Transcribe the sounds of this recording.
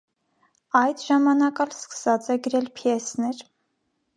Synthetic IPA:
ɑjd̪ʒɑmɑnɑkɑlskə̥sɑt͡sɛɡəɾɛlpʰjɛsnɛɾ

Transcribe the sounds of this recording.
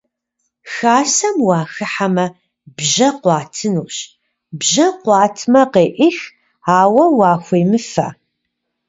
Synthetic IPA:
xaːsɐmwɑːxɨħamɐ | bʒɐqʷɑːtʰɨnuːɕ | bʑɐqʷɑːtʰmɐqeːʔɪx | aːwɐwɑːxʷeːmɨfɐ̰

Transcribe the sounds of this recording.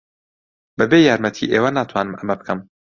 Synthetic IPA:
bɨbeːjaːɾmɛt̪ʰḭːʔeːwɐnaːt̪ʰwaːnɨmʔɐmɐbɨkʰɨm

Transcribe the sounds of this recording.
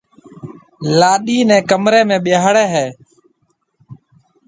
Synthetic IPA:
laːɗiːnɛ̃ːkəmɾeːmẽːɓɪjaːɽeːɦɛː

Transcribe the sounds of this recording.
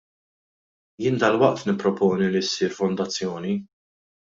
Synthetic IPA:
jɪnd̪ɐlwɐʔt̪nɪpːɾɔpɔːnilisiːɾfɔnd̪ɐt͡sːjɔːni

